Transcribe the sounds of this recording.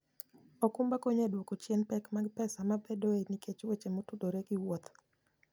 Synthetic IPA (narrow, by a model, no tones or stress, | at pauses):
ɔkumbakoɲedwokot͡ʃjenpɛkmaɡpɛsamabɛdoenikʰet͡ʃwet͡ʃemotudoɾeɡiwot̪